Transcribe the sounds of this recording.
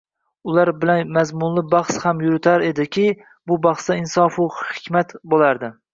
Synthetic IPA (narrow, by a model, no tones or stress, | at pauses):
ʊlˠaɾbɪlanmazmʊnlɪbɑχshamjʊɾɪt̪ʰaɾe̞d̪ɪkʲʰɪ | bʊbɑχst̪aɪnsɒfʊhɪkʲʰmat̪bolˠaɾd̪ɪ